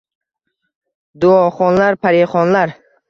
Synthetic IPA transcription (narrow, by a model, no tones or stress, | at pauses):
d̪ʊɒχɒnlaɾpʰaɾeχɒnlaɾ